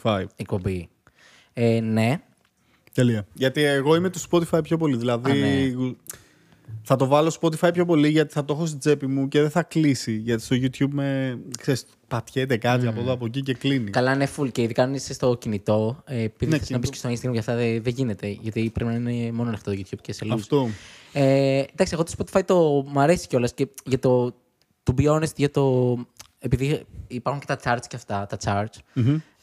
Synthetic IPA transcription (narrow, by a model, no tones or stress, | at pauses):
ɐjek̚po̞mbi | ene̞ | t̪eliɐʝɐt̪ieɣo̞imet̪uspot̪ifɐjpço̞po̞liðilɐði | θɐt̪o̞vɐlospo̞t̪̬ifɐjpço̞po̞liʝɐt̪i̥θɐt̪o̞xo̞s̬t̪id͡ze̞pimuce̞ðeθɐklisiʝɐt̪i̥st̪o̞ʝut̪çubme̞kseɾis | pɐt̪çe̞t̪ekɐt̪̬iɐpoðoɐp̬o̞cice̞klinikɐlɐinefulceiðikɐnisst̪o̞cinit̪o̞epiðiθesznɐbiskcest̪o̞insɐɡɾɐmʝɐft̪ɐððeʝinet̪e̞ʝɐt̪ipɾepinɐinemo̞nonext̪ot̪oʝut̪ʰçubceselfst̪oed̪ɐksieɣot̪spot̪ifɐit̪o̞mɐɾe̞si̥ceo̞lɐsceʝɐt̪o̞ | t̪ubio̞nest̪ʝɐt̪o̞ | e̞piðiipɐɾxuncet̪ɐt͡sɐɾt͡sceɐft̪ɐt̪ɐt͡sɐɾt͡s̩